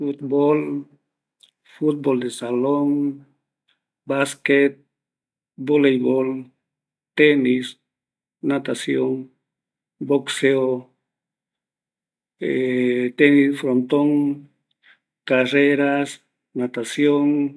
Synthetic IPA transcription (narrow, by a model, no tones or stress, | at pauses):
fut̪bol | fut̪̚bold̪esaloŋ | basket̪̚ | bolejbol | t̪enis | nat̪asjoŋ | bokseo | et̪enisfɾont̪oŋ | kareɾas | nat̪asjoŋ